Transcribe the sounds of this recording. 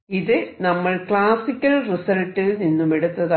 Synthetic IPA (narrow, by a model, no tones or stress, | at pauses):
iðɨnɐmːɐɭkɭaːsikʲːɐlrisɐlʈːɨninːumeɽut̪ːɐða